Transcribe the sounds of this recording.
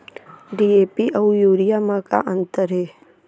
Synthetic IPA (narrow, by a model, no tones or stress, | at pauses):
ɖieːpiʔɐujuːɾijamãka̰ʔə̃nt̪əɾɦe